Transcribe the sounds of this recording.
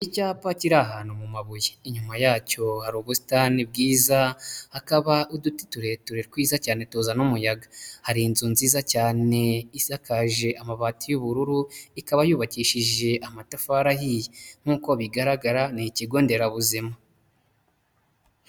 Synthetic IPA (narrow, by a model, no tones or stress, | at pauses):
icaːpaciɾaɦaːnumumaβujeiɲumajaːco̞haɾuːβusi̥tanib̚ɡiːzahakaβauduti̥tuɾe̞tuɾeɾkwiːzacaːne̞tozanumujaɡḁhaɾinzunziːzacaːne̞isakaʒe̞ʔamaβaːtujuβuɾuɾuikaβajuːβaciʃiʒe̞ʔamatafaɾahijeŋ̥uːkoβiɡaɾaɡaɾaniciɡo̞ːnde̞ɾaβuzima